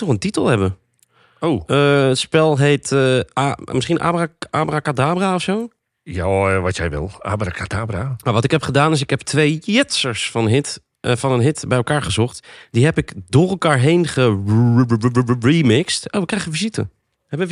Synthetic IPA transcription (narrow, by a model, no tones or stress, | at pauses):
nɔxəntitəlˠhɛbə | owəətspɛlˠɦeːt | mɪsχinʔa̰ːbraaːbrakadaːbraɔfsoː | jaʋɔtjɛjʋɪ̰lˠa̰ːbrakʰadaːbramaʋɔtɪkhɛpχədaːnɪs̬ɪkhɛptʰʋejjɪtsəɹsfɔnɦɪt | fɔnənɦɪtbɛjəlˠkaːɹɣəzɔxtdiɦɛpɪkdʊːrəlˠkaːɹɦejnχə | ɹiːmɪkstoːʋəkrɛjɣənfizitə̰ | hɛbə